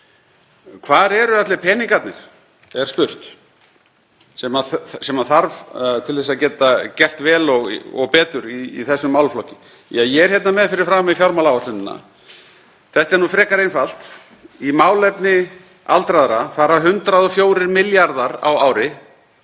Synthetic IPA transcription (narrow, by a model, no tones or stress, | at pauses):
kʰvaːɾɛɾʏat̪lɛpʰɛːniŋkat̪nɪɾ̥ | ɛɾ̥spʏr̥t̪ | sɛmaðsɛmaðθaɾvt̪ʰɪlθɛs̬aðcɛːt̪acɛr̥t̪vɛːlɔɣɔ̰ɣpɛːt̪ʏɾiːθɛsːʏmːawlflɔcɪ | jajɛɛɾ̥çjɛt̪namɛðfɪɾɪɾ̥fɾaːmifjawɾmawlaːwasɪnɪnːa̰ | θɛht̪ɛɾnufɾɛːkaɾejnfalt̪ | imaːwlɛpnɪ | alt̪ɾaðɾafaːɾaɦʏnt̪ɾaðɔfjoːwɾɪɾmɪljaɾðaɾa̰waːwɾɪ